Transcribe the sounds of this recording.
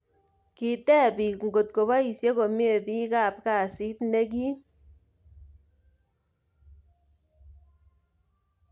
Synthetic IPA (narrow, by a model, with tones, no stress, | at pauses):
ki˨tɛ˦˨pi˨ŋɡo˨t̚ko˨ba˦i˨sje˦ko˨mje˦˨bi˦ka˦˨p̚ka˦˨si˦tne˦k̬i˦